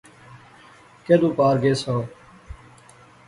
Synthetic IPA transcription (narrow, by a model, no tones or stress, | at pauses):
keːd̪ũːpaːɾɡeːsoː